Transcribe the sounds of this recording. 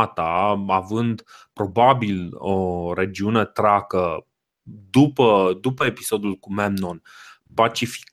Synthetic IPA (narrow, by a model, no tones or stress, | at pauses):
at̪aavɨnd̪ | pɾo̞babiloɾe̞d͡ʒiune̞t̪ɾakə | d̪upəd̪upəepiso̞d̪ulkumemnon | pat͡ʃifi̥k